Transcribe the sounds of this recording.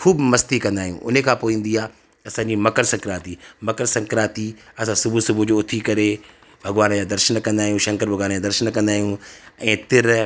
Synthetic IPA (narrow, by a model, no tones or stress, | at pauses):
kʰuːbmɐst̪ikɐ̃nd̪aːɦijṵ̃ʔʊ̰n̤ẽkʰãːpoːĩːn̆d̪iaː | ɐsãːɲd͡ʑimɐkəɾsɐ̃ŋkɾaːt̪imɐkəɾsɐ̃ŋkɾaːt̪iɐsãsʊbʱusʊbʱud͡ʑoʊt̪ʰikɐɾe | bʱɐɡʋaːnd͡ʑaːd̪ɐɾʃənkɐ̃nd̪aːɦijũːʃɐ̃ŋkəɾbʱɐɡʋaːnd͡ʑaːd̪ɐɾʃənkɐ̃nd̪aːɦijũɛ̃ːt̪ɪɾ